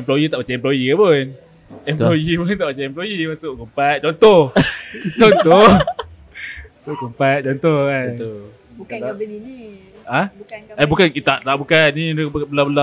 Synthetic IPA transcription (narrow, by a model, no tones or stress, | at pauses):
ɛmplojit̪aʔpat͡ʃaɛmp̬lojikabun | ɛmlojipunt̪aʔpat͡ʃaɛmplojimasʊʔkumpat̪̚t͡ʃɔnt̪oht͡ʃɔnt̪oh | asʊʔkumpat̪̚t͡ʃɔnt̪ohkant̪o | ka | aʔanbukankit̪aʔlaʔbukanːibbəlabəla